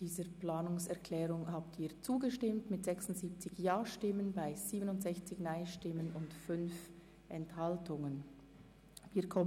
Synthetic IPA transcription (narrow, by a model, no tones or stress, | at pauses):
d̥iːzəplaːnʊŋsɛʁkʰlɛːʁʊŋhaːptʰiːɐt͡suːɡəʃtɪmtmɪtz̥ɛksʊntz̥iːp̚t͡sɪçjaːʃtɪmənbaɪz̥iːbənʊntz̥ɛçt͡sɪçnaɪʃtɪmənʊntfʏnf | ʔɛnthaltʰʊŋən | viːkʰɔm